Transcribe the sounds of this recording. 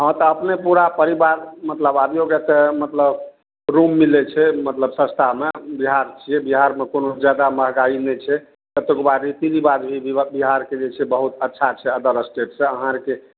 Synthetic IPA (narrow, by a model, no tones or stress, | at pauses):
ɦə̃t̪ɔəpnepuɾapəɾibaɾmət̪ləbad̪joɡɛt̪emət̪ləb | ɾumːilɛt͡ʃʰɛmət̪ləbsə̃st̪ʰamebiɦaɾt͡ʃʰijɛbiɦaɾmekonod͡ʒjad̪aməɦɡainɛt͡ʃʰɛ | t̪ət̪ekbaɾit̪id͡ʒibad̪bʱibiɦaɾked͡ʒet͡ʃʰɛbəɦut̪ətːʃʰat͡ʃʰɛəd̪əɾəsʈeʈsẽəɦãɾke